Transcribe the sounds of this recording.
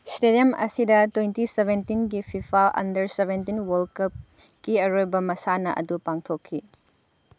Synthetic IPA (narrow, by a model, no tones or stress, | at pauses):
stediɐmɐ̰sidɐtwejntiseβentinɡipʰipʰalɐ̰ndɐɾseβʱentinwɐlkɐp̚ | kiɐɾojbɐmɐsanɐʔɐ̰dupaŋtʰokʰːi